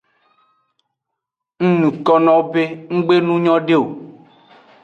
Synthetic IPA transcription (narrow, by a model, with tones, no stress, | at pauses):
ŋ̩˦nũ˨kɔ˦nɔ̃˦o˦be˦ŋ̩˦ɡ͡be˦nũ˦ɲɔ̃˦ɖe˦o˨